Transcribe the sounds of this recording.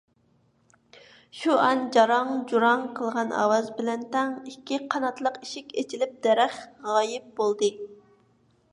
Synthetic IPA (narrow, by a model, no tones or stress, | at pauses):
ʃuɑnd͡ʒɑɾɑŋd͡ʒuɾɑŋqʰəlˠʁɑnʔɑ̰wɑzbɪlɛnt̪ɛŋikʲʰːiqʰɑnɑt̪lˠəqiʃikʲet͡ʃʰilɪp̚d̪ɛɾæχʁɑjɪp̚bolˠd̪ɨ